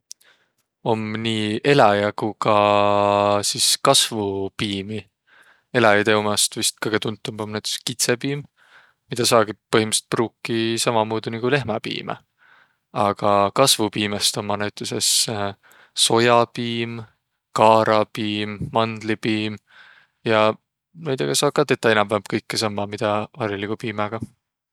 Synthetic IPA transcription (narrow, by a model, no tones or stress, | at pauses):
o̞mniːe̞lɑjɑkukɑ | siskɑsvupiːmi | e̞lɑjɑt̪eumɑst̪vist̪̚kɤjɡe̞t̪unt̪ːˑumbomnæɥt̪e̥kskit̪sepiːm | mid̪ɑsɑːɡ̥ipɤɦimɑset̪̚pruːkːisɑmɑmuːd̪̥unikule̞ɦmɑpḭːmḛ | ɑɡ̥ɑkɑsvupiːmest̪o̞mɑnæwt̪ːˑese̞s | so̞jɑpiːm | kɑːɾɑpiːmːɑnd̪lipiːm | jɑ | næjd̪eɡ̥ɑsɑːk̚kːɑt̪e̞t̪ːˑɑjenɑmvæmb̥̚kɤjkːesɑmːɑmid̪̥ɑvɑɾilikupiːmɑɡ̥ɑ